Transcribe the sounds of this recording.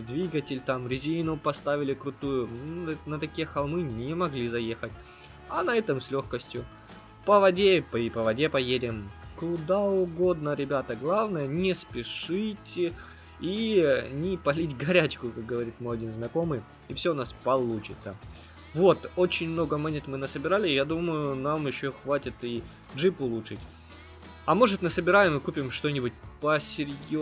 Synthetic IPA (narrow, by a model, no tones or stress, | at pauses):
d̪vʲiɡətʲɪlʲt̪amɾʲɪzʲinʊpɐst̪avʲɪlʲɪkɾʊt̪ujʊnnət̪ɐkʲijəxɐlˠmɨnʲɪmɐɡlʲizɐje̞xətʲ | ɐnɐɛt̪əmsʲlʲo̞xkəsʲtʲjʊ | pəvɐdʲepipəvɐdʲepɐjedʲɪmkʊd̪aʊɡo̞d̪nəɾʲɪbʲat̪əɡlˠavnəjənʲɪspʲɪʂɨtʲɪ | inʲɪpɐlʲitʲɡɐɾʲæt͡ɕkʊkak̚ɡəvɐɾʲit̪mojɐdʲinznɐko̞mɨj | ɪfsʲoʊnaspɐlˠut͡ɕɪt̪sə̰ | vo̞t̪ot͡ɕɪnʲmno̞ɡəmanʲet̪mɨnəsəbʲɪɾalʲɪjad̪uməjʊnamjɪɕːoxvatʲɪt̪i | ʐɨpʊlˠuʂɨtʲ | ɐmoʐɨt̪nɨsəbʲɪɾajɪmɨkupʲɪmʂt̪o̞nʲɪbʊt̚ʲpəsʲɪɾʲjo